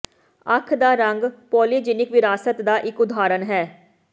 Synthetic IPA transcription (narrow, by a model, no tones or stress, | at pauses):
ə̰kʰd̪aːɾəŋɡpɔːliːd͡ʒɪnɪkʋɪɾaːsət̪d̪aːʔɪkʊd̪aːɾənɦɛː